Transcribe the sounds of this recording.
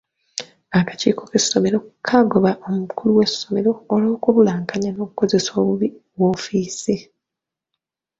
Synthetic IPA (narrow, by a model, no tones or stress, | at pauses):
akḁcḭːko̞ke̞so̞me̞ɾo̞kʰaɡo̞βaʔo̞mukʰuluwe̞sːo̞me̞ɾo̞ːlo̞ːkuβulaːŋkaɲano̞ːkuko̞ze̞soːβuβi | wofiːsi